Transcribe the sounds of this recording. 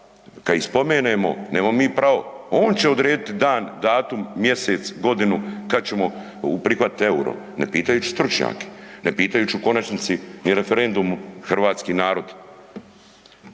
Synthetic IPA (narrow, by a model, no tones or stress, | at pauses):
kaispo̞meːneːmo̞̰neːmammiːpɾaʋo̞̰oːnt͡ɕeo̞d̪ɾeːd̪it̪id̪aːnd̪aːt̪umːje̞set̪sɡo̞d̪inukad̪̚t͡ɕe̞mo̞ | upɾixʋat̪e̞uɾo̰ | ne̞̰piːt̪ajuːt͡ʃi̥st̪ɾut͡ʃɲa̰ːke̥nepiːt̪ajuːt͡ɕiuko̞nat͡ʃnit̪siniɾe̞feɾe̞nd̪umxr̩ʋaːt̪skiːnaːɾo̞d̪